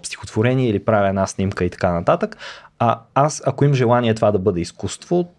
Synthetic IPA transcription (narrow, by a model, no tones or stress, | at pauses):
pst̪ʲixo̥t̪v̥oɾɛniɛilipɾavʲiɛnasnimkəit̪ɐ̥kanɐt̪at̪əkaasɐkoimʒɛlˠaniɛt̪ovad̪ɐbɤd̪ɛiskust̪vo